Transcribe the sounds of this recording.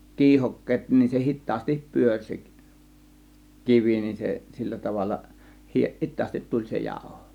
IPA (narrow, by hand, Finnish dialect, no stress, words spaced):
kiːhokːeːt nin se hitˑɑːstip pyørʲ se kiʋi nin se silːæ tɑʋɑlːɑ hi hitˑɑːstit tulʲ se jɑˑo̝ho